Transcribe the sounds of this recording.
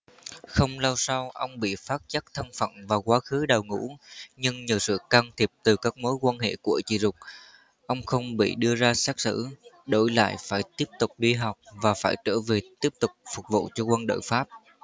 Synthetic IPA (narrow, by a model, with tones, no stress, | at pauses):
xə˧wŋ͡mlaː˧wsa˧wʔə˧wŋ͡mɓḭ˧˨faː˦˥t̚t͡ɕa˦˥k̚t̪ʰə˧ŋfə̰˧˩nvaː˨˩kwaː˨˦xɨ˨˦ɗaː˨˩wŋṵ˧˥ɲɨ˧ŋɲi˨˩wsɨ̰˧˨kaː˧nt̪ʰi˨˩əp̚t̪ɨ˨˩kaː˦˥k̚mo˨˦jkwaː˧nhḛ˧˨ku˧˩ət͡ɕḭ˧˩˨zʊ˨˩k͡p̚ | ʔə˧wŋ͡mxə˧wŋ͡mɓḭ˧˨ɗɨ˧əzaː˧saː˦˥k̚sɨ̰˧˥ɗo˧˩jla̰ː˧˨jfaː˧˩jt̪i˦˥əp̚t̪ʊ˨˩k͡p̚ɗi˧ɦa˨˩wk͡p̚vaː˨˩faː˧˩jt͡ɕəː˧˩ve˨˩t̪i˦˥əp̚t̪ʊ˨˩k͡p̚fʊ˨˩k͡p̚vṵ˧˨t͡ɕɔ˧kwə˧nɗə̰ː˧˨jfaː˦˥p̚